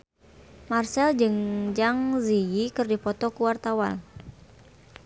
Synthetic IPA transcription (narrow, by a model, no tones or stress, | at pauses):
marsɛld͡ʒɨŋd͡ʒaŋzijikɨrdipɔt̪ɔkuwart̪awa̰l